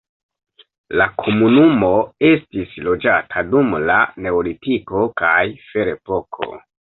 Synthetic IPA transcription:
lakʰo̞munumo̞e̞stislo̞d͡ʒatʰadumlane̞olitiko̞kajfe̞ɾe̞po̞kʰo̞̰

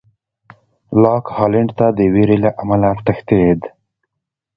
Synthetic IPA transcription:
lɑkhɑlɪɳɖt̪ad̪əweɾelaʔamalaʈəxt̪ed̪

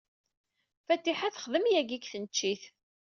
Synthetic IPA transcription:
fæt̪ːiħaθə̥χðəmjæɡikθənt͡ʃːiθ

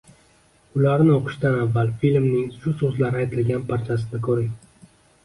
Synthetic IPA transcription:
ʊlaɾnɪoqʰɨ̥ʃt̪anavːalfilmnɪŋʃʊsɵzlaɾɪajt̪ʰɪlɡʲanpʰaɾt͡ʃʰasɪd̪akʰɵɾɪŋ

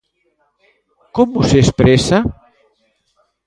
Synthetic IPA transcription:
komusespɾesa

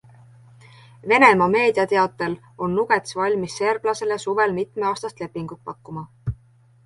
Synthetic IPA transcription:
ve̞ne̞mɑme̞ːd̪iɑt̪eɑt̪ːˑe̞l | o̞nːuɡ̥e̞t̪svɑlʲmisːe̞rb̥lɑse̞lesuve̞lmit̪ˑmeɑːst̪ɑst̪le̞pːˑiŋɡ̥ut̪̚pɑkːumɑ

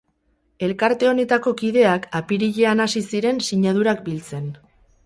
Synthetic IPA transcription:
e̞lkaɾt̪e̞o̞ne̞t̪ako̞kiðe̞akapiɾiʎe̞anasisiɾe̞nsiɲað̞uɾak̚bilt͡se̞n

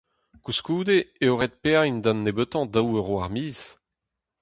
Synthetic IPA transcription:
kuskuːd̪eeoʁet̪̚peaind̪anːebøt̪ɑ̃d̪awøʁoaʁmiːz

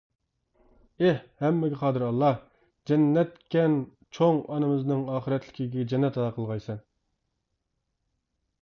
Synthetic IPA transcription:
ehhɛmːɪɡʲɪqʰɑːd̪ɨɾɑlˠːɑ | d͡ʒɛnːɛt̪kʲɛn | t͡ʃʰoŋɑnɨmɨznɨŋɑːχəɾɛt̪lɪ̥kʲiɡʲɛɛd͡ʒɛnːɛt̪ʰɑd̪ɑqʰəlˠʁɑjsɛn

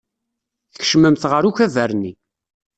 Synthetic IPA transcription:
θə̥ç̥ʃməmθʁəɾuçævæɾni

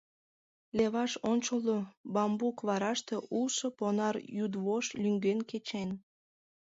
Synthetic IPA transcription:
leβɑʃonʲt͡ɕolobɑmbukβɑɾɑʃt̪eʔusoponɑrjud̪βoʃlyŋɡenket͡ɕen

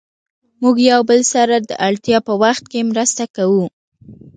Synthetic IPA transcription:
muɡjawbəlsaɾad̪əʔaɭt̪jɑpəwaxt̪̚kemɾəst̪akawu

